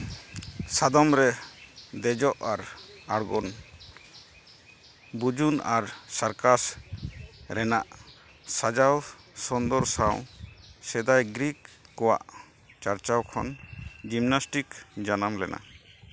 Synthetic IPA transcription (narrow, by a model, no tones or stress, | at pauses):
sad̪ɔmɾɛd̪ɛd͡ʒɔʔaɾaɽɡɔn | bud͡ʒuna̰ɾsaɾkas | ɾɛnaʔ | sad͡ʒaw | sɔnd̪ɔɾsaw̃sɛd̪ajɡɾikːɔwa̰ʔ | t͡ʃaɾt͡ʃawkʰɔnd͡ʒimnasʈikd͡ʒanamlɛ̰na̰